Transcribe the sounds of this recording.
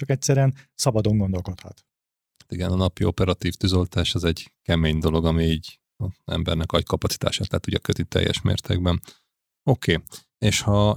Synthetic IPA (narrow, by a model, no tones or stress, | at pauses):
t͡ʃɒkɛcsɛɾyɛnsɒbɒd̪o̞ŋɡo̞nd̪o̞lko̞t̪hɒ̰t̪ | at̪iɡɛnɒnɒpio̞pɛɾɒt̪iːft̪yzo̞lt̪aːʃɒzɛɟkɛmeːɲd̪o̞lo̞ɡɒmiiːɟ | ɒɛ̰mbɛrnɛkɒckɒpɒt̪si̥t̪a̰ːʃaːt̪lɛt̪uɟɒkøt̪it̪ɛ̰jːɛ̰ʃmḛːrt̪ḛɡ̚bɛn | o̞kʰeː | eːʃhɒ